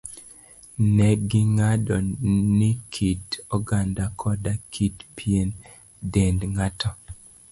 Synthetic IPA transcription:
nɛɡɪŋadɔnikʰidɔɡandakʰɔdakʰitpʰien | dendŋatɔ

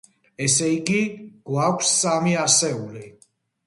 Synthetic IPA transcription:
ɛsɛiɡiɡ̥wakʷʰsːamiasɛuli

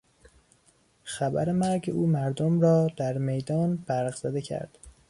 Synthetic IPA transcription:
xæbæ̰ɾe̞mæɾɟeʔuːmæɾd̪omɾɒːd̪̥æɾme̞jd̪ɒːnb̥æɾɣz̥æd̪e̞cʰæ̰ɾd̪̥

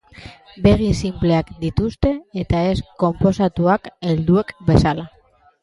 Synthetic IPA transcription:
be̞ɣinsimple̞akd̪it̪ust̪e̞ːt̪ae̞sko̞mpo̞sat̪uake̞ld̪ue̞kbe̞sala

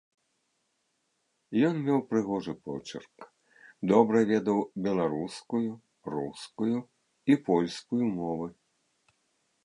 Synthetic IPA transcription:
jɔnmʲɛwpɾɨɣɔʐɨpɔ̰t͡ʂɐ̰rk | d̪ɔbɾɐvʲɛd̪ɐwbʲɛlˠaɾuskuju | ruskuju | ipɔlʲskujumɔvɨ

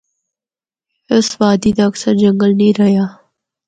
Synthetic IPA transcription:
ɪsʋaːd̪iːd̪aːksəɾd͡ʒɐŋɡəlnĩːɾɐjaː

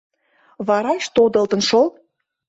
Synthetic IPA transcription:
βɑɾɑʃt̪od̪ə̆lt̪ə̆nʃol

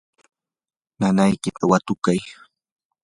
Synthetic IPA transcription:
nanajkɪt̪ʰawat̪ʊkaj

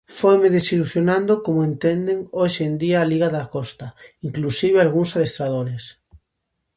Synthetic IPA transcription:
fojmeðesiluθjonãnd̪okomoẽnt̪end̪eŋojʃend̪iaːliɣaðakɔst̪aiŋklusiβ̞ealɣ̞uŋsaðest̪ɾað̞oɾes

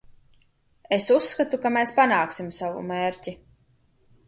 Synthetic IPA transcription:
esusːkat̪ukameːspanaːksimsavṵmeːɾʲcʲi

